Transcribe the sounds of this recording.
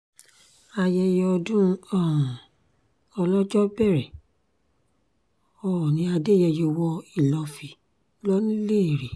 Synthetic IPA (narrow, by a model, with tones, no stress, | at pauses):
a˧jɛ˧jɔ˧dũ˦˧ɔ̃˦˨ | ɔ˧lɔ˦d͡ʒɔ˦bɛ˦˨ɾɛ˨ | ɔ˨nĩ˧˦a˧de˦˨jɛ˧jo˧wɔ˧i˦˨lɔ˨˧fi˧ | lɔ˦nĩ˦le˦˨ɾe˨